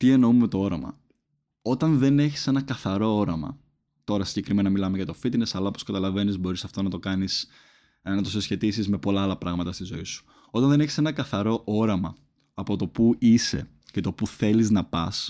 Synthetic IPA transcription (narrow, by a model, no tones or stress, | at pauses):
t̪ie̞no̞umemet̪o̞o̞ɾɐmɐ̰ | o̞t̪ɐnðe̞ne̞çi̥se̞nɐkɐθɐɾo̞o̞ɾɐmɐ̰ | t̪o̞ɾɐsiɲɟekɾime̞nɐmilɐmeʝɐt̪ofit̪inesɐlɐoposkɐt̪ɐlɐve̞nizbo̞ɾisɐft̪o̞nɐt̪o̞kɐnis | nɐt̪o̞sesçe̞t̪isizme̞po̞lɐɐlɐpɾɐɣmɐt̪ɐst̪izo̞isu̥ | o̞t̪ɐnðe̞ne̞çi̥se̞nɐkɐθɐɾo̞ʔo̞ɾɐmɐ | ɐpo̞t̪o̞puise̞̰ | cet̪o̞puθe̞liznɐpɐs